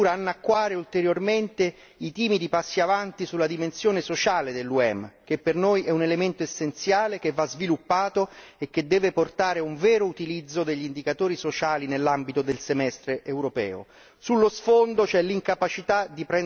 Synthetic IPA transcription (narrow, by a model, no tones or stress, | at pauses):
uːɾaːnːakːwaːɾeult̪eɾjorment̪e | it̪iːmid̪ipasːiavant̪isulːad̪imensjoːnesot͡ʃaːled̪elːuɛmk̟epːernojʔɛunelement̪oesːent̪sjaːlek̟evːazvilupːaːt̪oek̟ːed̪ːɛːveport̪aːɾeuɱvɛːɾout̪ilid̪zːod̪eʎːind̪ikat̪oːɾisot͡ʃaːlinelːambit̪od̪elsemɛst̪ɾeʔewɾopɛ̰ːo̰ | sulːosfond̪ot͡ʃɛliŋkapat͡ʃit̪ad̪ipɾɛ